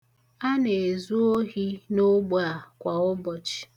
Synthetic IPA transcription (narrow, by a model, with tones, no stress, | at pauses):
a˦ne˨e˨zu˦o˦ɦi˦no˦ɡ͡ba˨kʷa˨ʊ˦bɔ˨t͡ʃi̥˨